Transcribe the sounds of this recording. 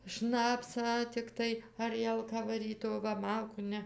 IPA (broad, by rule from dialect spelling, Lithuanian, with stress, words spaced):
ˈʃnɑːpsɑː tʲɪkˈtɐɪ ɐˈrʲiɛlˠkɑː ʋɐˈrʲiːt oː ˈʋɐ ˈmɐlˠkuː ˈnʲɛ